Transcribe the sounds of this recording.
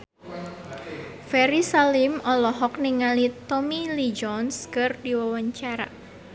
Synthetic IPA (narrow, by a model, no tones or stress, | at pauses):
fɛɾisalimɔlɔɦɔk̚niŋalit̪ɔmilid͡ʒɔnskərdiwawaɲt͡ʃaɾa̰